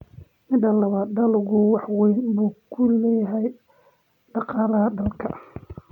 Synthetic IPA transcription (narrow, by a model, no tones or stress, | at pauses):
mɪd̪ɐlɐβaːd̪ɐlʊɣʊwɑħwɛjnbuːkʰʊlɛːjɐɦɛj | ɖɑqɑːlɐɦɐd̪ɐlkʰɐ